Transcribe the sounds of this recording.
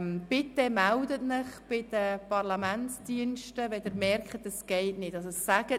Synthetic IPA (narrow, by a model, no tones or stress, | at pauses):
mb̥ɪtəmældətnəχb̥ɪd̥əpɑrlɑmænsd̥iənʃtəʋɛdɪɾmɛrkχətəsɡ̥ɛɪtnɪtɑsɛsːæɡ̥ə